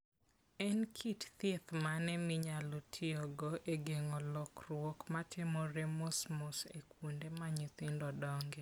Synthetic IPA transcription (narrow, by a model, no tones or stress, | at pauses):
ɛnkʰitt̪et̪manɛmɪɲalotʰɪɔɡɔʔeɡeŋɔlɔkrwokmatʰɪmɔɾemosmɔsḛkwondemaɲɪt̪ɪndɔdɔŋɡɛ